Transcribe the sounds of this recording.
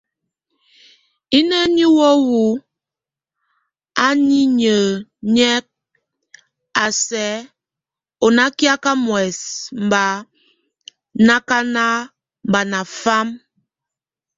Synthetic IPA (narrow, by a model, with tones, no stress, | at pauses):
i˦nə˦ni˦wɔ˦wu˨˦ | a˦ni˦ɲə˨ɲɛ˦k̚ | a˨sɛ˨˦ | o˨na˦kja˦ka˦mwɛ˨sm̩˨ba˨˦ | na˦ka˦na˦ | m˨ba˨na˨fa˦m